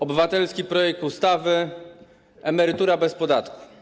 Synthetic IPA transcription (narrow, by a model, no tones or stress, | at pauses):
ɔbɘvat̪ɛlskʲipɾɔjɛk̚t̪ust̪avɘ | ɛmɛɾɘt̪uɾabɛspɔd̪at̪ku̥